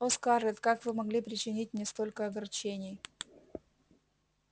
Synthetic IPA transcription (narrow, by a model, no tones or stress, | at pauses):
oskarʲɪt̪kakvɨmɐɡlʲipɾʲɪt͡ɕɪnʲit̚ʲnʲɪst̪olʲkəɐɡɐrt͡ɕenʲɪj